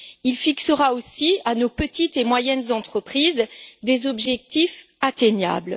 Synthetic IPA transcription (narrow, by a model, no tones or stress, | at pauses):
ilfiksəʁaosianopət̪it̪emwajɛnzɑ̃t̪χəpχizd̪ezɔbʒɛk̚t̪if | at̪eɲja̰bl